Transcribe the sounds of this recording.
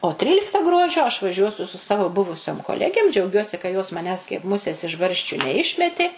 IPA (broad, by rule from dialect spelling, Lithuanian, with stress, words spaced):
oː ˈtʲrʲiːlʲɪktɐ ˈɡruɔd͡ʒʲoː ɐʃ ʋɐˈʒʲuɔsʲʊ sʊ ˈsɑːʋoː ˈbʊʋʊsʲoːm koːˈlʲæːɡʲeːm d͡ʒʲɛʊˈɡʲuɔsʲɪ kɐ joːs mɐˈnʲæːs kɐɪp ˈmʊsʲeːs ɪʃ ˈbɐrʲʃʲt͡ʃʲʊ nʲɛˈɪʃʲmʲɛtʲeː